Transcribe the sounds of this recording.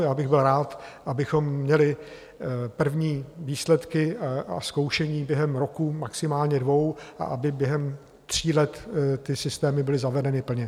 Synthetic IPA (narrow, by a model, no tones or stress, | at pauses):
jaːbɪɣbɪlɾaːt̪ʔabɪxo̞mːɲɛlɪ | pr̩vɲiːviːslɛt̪kɪaʔa̰sko̞wʃɛɲiːbjɛɦɛmɾokumaksɪmaːlɲɛdvo̞wʔa̰ʔabɪbjɛɦɛm | t̪r̝̥iːlɛt̪ːɪsɪst̪ɛːmɪbɪlɪzavɛdɛnɪpl̩ɲɛ